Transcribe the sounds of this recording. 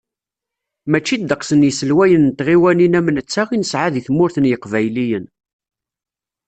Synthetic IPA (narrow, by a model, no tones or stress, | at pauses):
mæt͡ʃːid̪ːəqsənjəsəlwæjənt̪ʁiwæninæmənət͡sːæʁinəsʕaðiθmʊɾθənjəqvæjlijən